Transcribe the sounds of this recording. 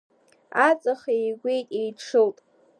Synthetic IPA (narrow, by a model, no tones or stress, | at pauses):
at͡sʼaχejɡʷejtʼejʈ͡ʂʰɨltʼ